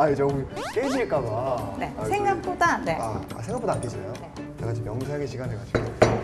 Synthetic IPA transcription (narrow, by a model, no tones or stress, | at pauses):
aid͡ʑʌɡuk͈ed͡ʑiɭk͈aɡane̞asʰeŋɡak̚p͈odane̞a̰a̰sʰeŋɡapodank͈ed͡ʑina̰joetekad͡ʑimjʌŋsʰeŋeɕʰiɡaneɭk͈ʰad͡ʑʰiɡo